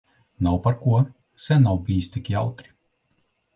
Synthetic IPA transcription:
nawpaɾkuɔ | sɛnawbiːist̪ikʲia̰wt̪ɾi̥

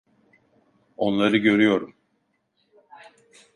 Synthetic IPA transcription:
o̞nlˠaɾɯɟø̞ɾyjo̞ɾum

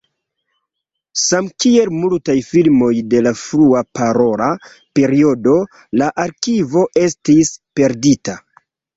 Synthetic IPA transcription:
samkie̞lmultajfilmo̞jde̞lafɾuapaɾo̞la | pe̞ɾio̞do̞ | laʔaɾkivo̞ʔe̞stispe̞ɾdita

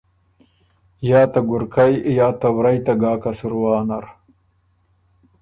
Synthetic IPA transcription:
jaːt̪aɡʊɾkajjaːt̪ɐwɾɐjt̪aɡaːkasuɾwaːnɐɾ

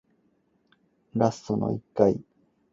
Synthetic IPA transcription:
ɾast̪ono̞̰ikːai

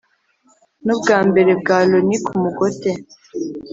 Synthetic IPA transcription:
nobɡaːmbe̞ɾeb̚ɡaːlonikumuɡote

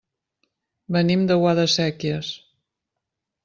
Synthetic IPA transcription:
bənimd̪əwaðəsɛkjəs

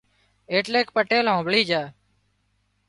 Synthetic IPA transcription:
eːʈleːkpəʈeːlɦõːbɭiːd͡ʒaː

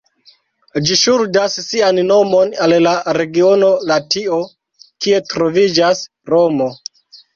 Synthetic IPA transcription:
d͡ʒiʃuɾdasːianno̞mo̞nallaɾe̞ɡio̞no̞latio̞ | kie̞tɾo̞vid͡ʒas | ɾo̞mo̞

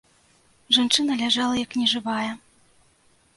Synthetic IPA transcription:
ʐant͡ʂɨnɐlʲaʐalˠɐjɐknʲɛʐɨvajɛ

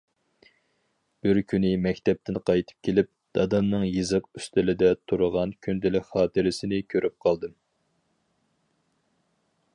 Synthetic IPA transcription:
b̥ɪɾkʲʰynɪmɛkʲt̪ɛp̚t̪ʰɪnqʰɑjt̪ʰɨ̥p̚kʲʰelɪp̚d̪̥ɑd̪ɑmnɨŋjɨzɨqyst̪ɪlɪd̪ɛt̪ʰuɾʊʁɑnkʲʰynd̪ɪlɪkʲχɑːt̪ʰɨɾɪsɪnɪkʲʰøɾʔyp̚qʰɑlˠd̪ɨm

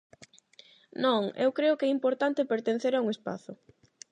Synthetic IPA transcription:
nõŋḛwkɾeʊkɛimpoɾt̪ant̪ɪpeɾt̪en̟θeɾauŋespa̰θʊ

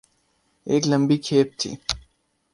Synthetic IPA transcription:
eːkləmbikʰeːp̚t̪ʰḭː

